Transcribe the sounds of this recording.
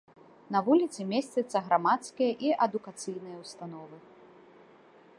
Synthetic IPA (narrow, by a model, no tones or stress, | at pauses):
nɐvulʲit̪sɨmʲesʲt͡sʲɐt̪sːɐɣɾamat̪skʲijɐʔiʔɐd̪ukat̪sɨjnɨjɐwst̪an̪ɔvɨ